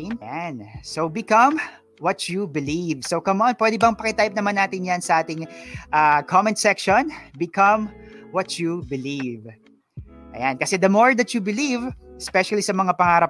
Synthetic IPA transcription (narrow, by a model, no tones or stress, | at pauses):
nansowbɪkɐm | wɐtubɪlivsokɐmʔonpwɛd̪ɛbɐŋpɐkɪt̪ajp̚nɐmanːaːt̪ɪnjansɐʔaːt̪ɪŋʔakʰɔmɛ̃nsɛkʃonbɪkɐmwɐt̪jubɪliv | ʔɐ̰jankɐsɛd̪ɐmoɹd̪ɐt̪jubɪlivɛspɛʃɐlisɐmɐŋapɐŋaːɾɐp̚